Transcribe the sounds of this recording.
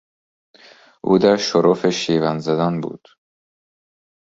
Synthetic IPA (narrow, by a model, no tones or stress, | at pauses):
ʔṵːd̪æɾʃoɾofeʃiːvænzæd̪ɒːnbṵːd̪̥